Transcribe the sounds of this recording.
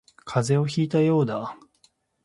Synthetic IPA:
kʰaze̞o̞çiːt̪ajo̞ːd̪a

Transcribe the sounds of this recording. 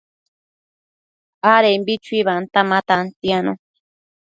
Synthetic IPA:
aɾembit͡ʃwiβant̪amat̪ant̪jano̰

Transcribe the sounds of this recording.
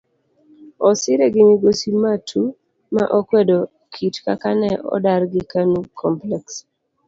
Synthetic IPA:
ɔsɪɾɛɡɪmɪɡosimatʰu | ma̰ʔɔkwɛdo | kʰitkakanɛʔɔ̰daɾɡɪkanukʰɔmplɛks

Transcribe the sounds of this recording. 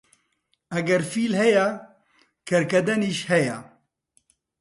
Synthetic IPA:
ɐɡɛɾfiːlɦɛjɛ | kʰɐɾkɐd̪ɛniːʃhɛjɛ

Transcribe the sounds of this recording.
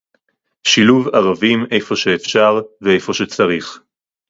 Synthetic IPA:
ʃiluvaʁavime̞jfo̞ʃeːfʃaʁveejfo̞ʃet͡saʁiχ

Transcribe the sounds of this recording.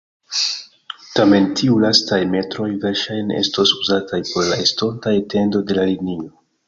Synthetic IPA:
tame̞ntʰiulastajme̞tɾo̞jveɾʃajne̞̰sto̞suzatʰajpo̞ɾlaesto̞ntajte̞ndo̞de̞laliɡnio

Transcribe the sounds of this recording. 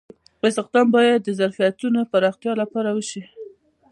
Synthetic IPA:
ɪsɪqd̪ɑmbɑjad̪ːəzaɾfijat̪unopaɾɑxt̪jɑlapɑɾawəʃi

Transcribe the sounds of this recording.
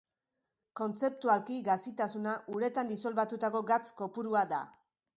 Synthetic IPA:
ko̞nt͡se̞p̚t̪ualkiɡasit̪asunaʔuɾe̞t̪and̪isolβat̪ut̪ako̞ɡat͡sko̞puɾuad̪a

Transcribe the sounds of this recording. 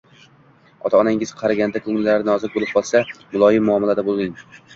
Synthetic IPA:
ɒt̪ʰaːnaŋɪz̥qʰɑɾaɡʲand̪akʰɵŋɪlɪlaɾɪnɪɒzɪk̚bolɪp̚qʰɒlˠsamʊlˠɒjɪmːʊɒmalad̪abolˠmɪŋ

